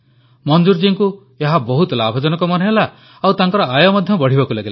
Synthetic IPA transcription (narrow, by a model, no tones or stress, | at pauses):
mɔnd͡ʒuɾd͡ʒiŋku | eɦabɔɦut̪ɔlabʱɔd͡ʒɔnɔkɔmɔnɔɦela | awt̪aŋkɔɾɔajɔmɔd̪ʱjɔbɔɽ̤ibakulaɡela